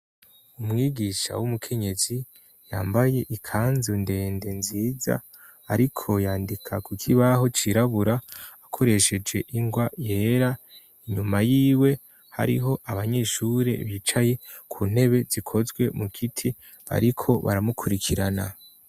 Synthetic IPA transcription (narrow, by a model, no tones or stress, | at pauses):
umŋiːɡiʃa̰wumukʰe̞ɲe̞zi | ja̰ːmbaje̞ʔikʰaːnzunde̞ːnde̞nziːza̰ | aɾikʰo̞jaːndikʰakukʰiβaɦo̞t͡ʃiɾaβuɾaː | kʰo̞ɾe̞ʃe̞d͡ʒe̞ʔiŋɡwaje̞ːɾa | iɲumajiːwe̞ | ha̰ɾḭɦo̞ʔaβaɲe̞ʃuɾe̞̰βit͡ʃaje̞ | kʰuːn̥he̞βe̞zikʰo̞zɡwe̞mukitʰi | βa̰ɾikʰo̞βa̰ɾamukʰuɾikʰiɾana̰